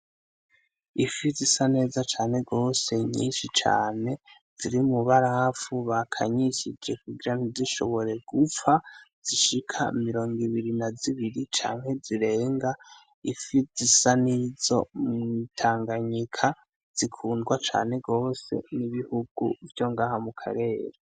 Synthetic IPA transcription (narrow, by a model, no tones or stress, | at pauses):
ifizisane̞ːzat͡ʃaːne̞ɡo̞ːse̞ɲḭːnʃit͡ʃa̰ːne̞ | z̥iɾimuβaɾahafuβakʰaɲiʃid͡ʒe̞kuɡiɾaniziʃo̰βo̞ɾe̞ɡ̥ufaz̥iʃikʰamiɾo̞ːŋɡiβiɾinaziβiɾit͡ʃa̰ːŋhe̞ziɾe̞ːŋɡa | ifizisanizo̞mŋŋitʰaːŋɡaɲikʰa | z̥ikʰuːndɡwat͡ʃa̰ːne̞ɡo̞ːse̞̰niβihuɡ̥ṵvjo̞ŋɡaːhamukʰa̰ɾe̞ːɾe